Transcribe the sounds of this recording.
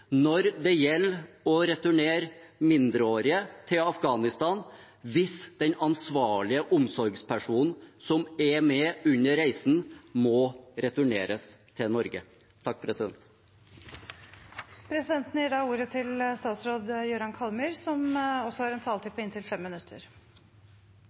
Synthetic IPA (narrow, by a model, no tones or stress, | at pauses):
nɔɾd̪ɛjɛlː | ɔɾɛt̪ʉɳeːɾmɪnd̪ɾəoːɾɪət̪ʰɪlɑfɡɑːnɪst̪ɑːn | ʋɪsd̪̥ɛnɑnsʋɑːɭɪəʔʊmsɔɾɡspʰæʂuːnn̩sɔmɛmɛʉɲːəɾɾæɪsn̩mɔɾɛt̪ʉɳeːɾəs | t̪ʰɪlnɔɾɡə | t̪ʰɑk̚ːpʰɾɛsɪd̪ɛnt̪ | pʰɾɛsɪd̪ɛnt̪n̩jiːɖɑːuːɾət̪ʰɪlst̪ɑːt̪sɾoːd̪jøɾɑnkʰɑlmyːɾsɔmɔsːɔhɑːɾɛnt̪ʰɑːlt̪ɪpʰːɔɪnt̪ʰɪlfɛmːɪnʉt̪ʰːəɾ